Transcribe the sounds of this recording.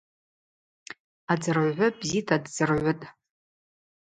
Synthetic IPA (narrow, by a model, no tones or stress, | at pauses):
ad͡zɨrʕʕʷʊbzitʰadd͡zɨrʕʷʊtʼ